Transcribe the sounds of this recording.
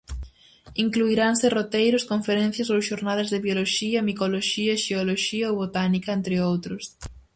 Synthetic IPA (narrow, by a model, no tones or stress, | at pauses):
iŋkluiɾansɪrot̪ejɾʊskoɱfeɾẽnθjɐsowsʃoɾnaðɐzðeβjoloʃiɐmikoloʃiɐʃeoloʃiɐoβot̪anikɐent̪ɾɪowt̪ɾʊs